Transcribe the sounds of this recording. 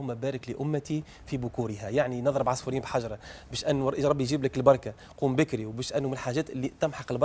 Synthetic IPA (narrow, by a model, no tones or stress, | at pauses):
ʊmːæbæːɾɪklɪʔʊmːat̪i | fibʊkuːɾɪɦæjaʕninɑðˤɾəbʕɑsˤfuɾiːmbħaʒɾˤɑbɛːʃʔɪnːuʔʒɾˤɑbːijʒiːblɪkɪlbɑɾˤka | quːmbɪkɾiwbɛːʃʔænːumɪnlħaʒɛːt̪ʔɪlːit̪ɪmħɑqɪlbɑ